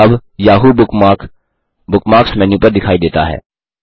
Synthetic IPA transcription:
ɐbjaːɦuʊ | bʊkmaːksmɛ̃njũːpəɾd̪ɪkʰaːid̪eːt̪a̰ɦɛ̰ː

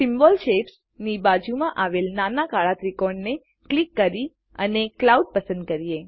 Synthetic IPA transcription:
sɪmbɔlʃeps | nibad͡ʒumãʔaʋelnanakaɭat̪ɾikɔɾɳne | klikːəɾi | ə̰neklauɖ̚pəsə̃nd̪̚kəɾije

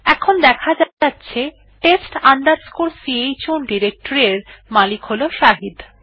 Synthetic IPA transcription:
ɛkʰond̪ɛkʰad͡ʑatːɕʰe | ʈesʈand̪aɾskulsiejt͡ɕunɖiɾek̚ʈoɾeɾmalikɦoloʃaɦid̪

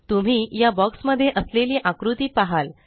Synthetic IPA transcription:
t̪um̤iːjabɔksməd̪ʱːjeʔəsleliːʔãkɾut̪iːpaɦal

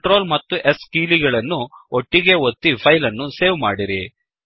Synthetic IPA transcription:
ʈɾo̞ːlmɐt̪ːuʔeskiːliɡɐɭɐnːuoʈːiɡe̞ot̪ːipʰɐjlɐnːuseːʋmaːɽiɾi

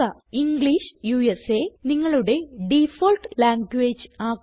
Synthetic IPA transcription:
ɐiŋɡɭiʂjuːeseniŋːɐɭuɽe̞ɖifolʈlaːŋɡweːd͡ʑɨaː

